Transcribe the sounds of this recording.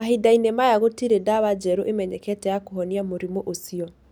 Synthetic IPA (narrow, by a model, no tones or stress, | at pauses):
aɦidainemajaɣotiɾedaβad͡ʒɛɾoʔemɛɲɛkɛtɛjakoɦɔniamoɾimoʔosiɔ